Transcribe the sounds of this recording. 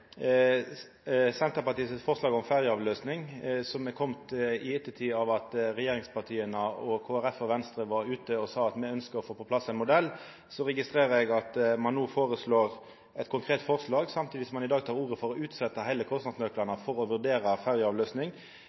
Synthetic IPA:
sɛnt̪əpɑt̪iːsəfɔʁʂlɑːɡɔmfæʁjəɑːʋløːsnɪŋsɔmɛkʰɔmt̪ɪɛt̪ːət̪ʰiːɑʋɑt̪ɾɛjeːɾɪŋspʰɑʁt̪ʰiːənəɔkʰoːæʁɛfɔʋɛnst̪ɾəʋɑɾʉːt̪əɔsɑːɑt̪mɛœnskəʁɔfoːpɔpʰlɑsːɛɪnmʊd̪ɛlː | sɔʁɛɡɪst̪ʁeːʁəɾɛɡɑt̪mɑnːuːfoːʁəsloːʁ | ɛt̪kʰʊŋkʰʁeːt̪fɔʁʂlɑːɡsɑmt̪ʰiːd̪ɪsɔmɑnɪd̪ɑːɡt̪ʰɑːɾuːʁəfɔɾɔʉːt̪sɛt̪ːəɦæɪləkʰɔst̪nɑd̪smøːklɑnəfɔɾɔʋʉʁd̪eːɾəfæʁjəɑːʋløːsnɪŋ

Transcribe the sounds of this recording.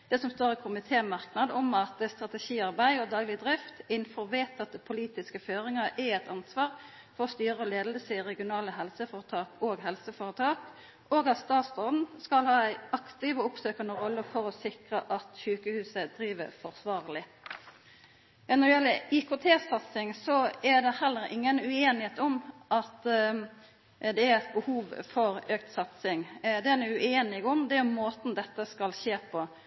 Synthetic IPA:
d̪̥ɛsɔmst̪oːɾɪkʰʊmɪt̪ʰeːmɑʁknɑd̪ɔmɑt̪əst̪ʁɑt̪ɛʃiːɑʁbæɪod̪ɑːɡlɪd̪ʁɪft̪ɪnfɔʁʋeːt̪ʰɑt̪ːəpʰʊliːt̪ɪskəføːɾɪŋəɾʔæɛt̪ʰɑnsʋɑːʁ | fɔʁɔst̪yːʁəoleːd̪lsəʁɛɡɪʊnɑːləɦɛlsəfoːʁət̪ʰɑːkoːɡɦɛlsəfoːʁət̪ʰɑːk | ʔoːɡɑt̪st̪ɑːt̪st̪ɔd̪n̩skɑlhɑːæɪɑkt̪ɪʋoːʊpsøːkɑnəʁɔlːəfɔɾɔsɪkʁəʔɑt̪çʉːkəhʉːsəd̪ɾiːʋəfɔʁsʋɑːɾlɪ | nɔd̪ɛjɛlːəɪkʊt̪ʰeːsɑt̪sɪŋsɔæd̪ɛhɛlːəɾɪ̰ŋːənʉeːnɪheːt̪ɔmʔɑt̪ | d̪ɛæɾɛt̪̚bəhuːʋfɔɾøːk̚t̪sɑt̪sɪŋd̪ɛɛnɛʉeːnɪɡʊmd̪ɛæmoːt̪n̩d̪ɛt̪ːəskɑlʃeːpʰɔ

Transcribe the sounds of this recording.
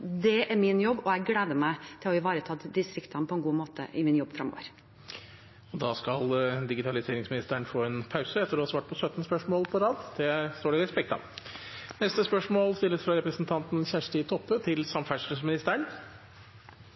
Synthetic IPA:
d̪ɛæɾmɪnjɔbːɔɛɡleːd̪əmæɪt̪ʰɪlɔɪʋɑːɾət̪ʰɑːd̪ɪst̪ɾɪkt̪ɑnpʰɔɛnɡuːmoːt̪ə̰ʔɪmɪnjɔbːfɾɑ̰mo̰ːʋəɾ | ɔd̪ɑːskɑld̪ɪɡɪt̪ʰɑlɪseːɾɪŋsmɪnɪst̪əɳfoːɛnpʰɑʉsəɛt̪ːəɾɔhɑsʋɑːʈ̚pʰɔsœt̪n̩spœʂmoːlpʰɔɾɑːd̪d̪̥ɛst̪oːɖɛɾɛspɛk̚t̪ɑ̰ | nɛst̪əspœʂmoːlst̪ɪlːəsfɾɑɾɛpɾəsn̩t̪ʰɑnt̪n̩ɕæʂʈit̪ʰɔpːət̪ʰɪlsɑmfæʂʈəsmɪnɪst̪əəɳ

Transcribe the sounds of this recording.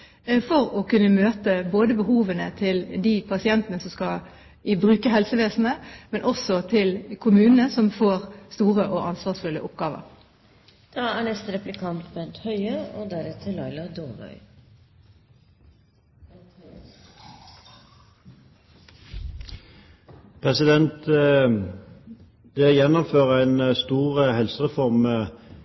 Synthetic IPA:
fɔʁokʉnːəmøːt̪əboːd̪əbəhuːʋənət̪ʰɪld̪iːpʰɑsɪɛnt̪ənəsɔmskɑ | ʔiːbʁʉːkəɦɛlsəʋeːsn̩əmɛnʔɔsɔt̪ʰɪlkʰʊmʉːnənəsɔmfoːʁst̪uːʁəʔoːʔɑnsʋɑːsfʉlːə̰ʔʊpɡɑːʋə̰ʁ | d̪̥ɑːæːɳɛst̪əɾɛplɪkʰɑnt̪bɛnt̪hœʏəoːd̪æɾɛt̪ʰəlɑɪlɑd̪oːbœ̰ʏ | pʰʁɛsɪd̪ɛnt̪ | d̪̥ɛjɛnːɔmføːʁəæɪnst̪uːʁhɛlsəʁɛfɔʁmə

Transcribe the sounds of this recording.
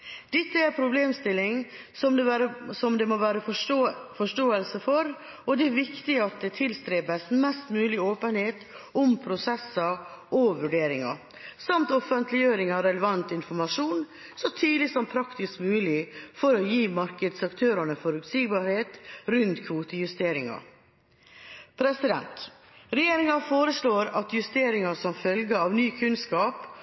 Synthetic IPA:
d̪̥ɪt̪ːəæɾpʰɾʊbleːmst̪ɪlːɪŋ | sɔməsɔmd̪ɛmoʋæːɾəfɔfɔʂʈoːəlsəfɔɾ | ɔd̪ɛæɾʋɪkt̪ɪɑt̪̚d̪ɛt̪ʰɪlst̪ɾeːbəsn̩mɛst̪mʉːlɪoːpənheːt̪ | ɔmpʰɾʊsɛsːəʔɔʋʉɖeːɾɪŋɑ̰ | sɑmt̪ɔfənt̪lɪjøːɾɪŋɑʋɾɛləʋɑnt̪ɪnfɔɾmɑʂuːn | sɔt̪ʰyːd̪lɪsɔmpʰɾɑkt̪ɪskmʉːlɪfɔɾɔjiːmɑɾkəd̪sɑkt̪ʰøːɾɑnəfɔɾʉt̪siːɡbɑːɾheːt̪ɾʉnt̪kʰʋuːt̪əjʉst̪eːɾɪŋɑ̰ | pʰɾɛsɪd̪ɛ̰nt̪ | ɾɛjeːɾɪŋɑfoːɾəsɭoːɾɑt̪jʉst̪eːɾɪŋɑsɔmfœlɡəɑːʋnyːkʰʉnskɑːp

